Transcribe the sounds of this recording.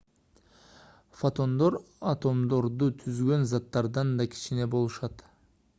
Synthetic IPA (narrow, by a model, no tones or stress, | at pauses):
fot̪o̞nd̪o̞ɾ | at̪o̞md̪o̞ɾd̪ut̪ʰʏzɡʲø̞nzɑt̪ːɑɾd̪ɑnd̪ɑkʲʰi̥ʃine̞bo̞lˠɯʃɑt̪